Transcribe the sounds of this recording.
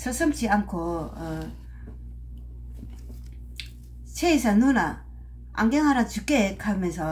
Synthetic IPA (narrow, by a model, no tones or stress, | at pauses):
sʰəsəmt͡ɕʰiaŋkʰo | t͡ɕʰejisanuna | ʔa̰ŋɡeŋaɾat͡ɕukːekʰamesa